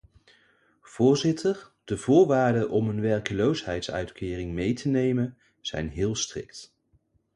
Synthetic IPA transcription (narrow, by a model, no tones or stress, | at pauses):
v̥ʊːɹzɪtʰəɹd̥əvʊːɹʋaːɹdəʔɔmɦənʋɛɹkəlowsɦɛjtsœ̰ɥtkɪːrɪŋmejtʰənejmən | z̥ɛ̰jnɦɪːlˠstrɪ̰k̚t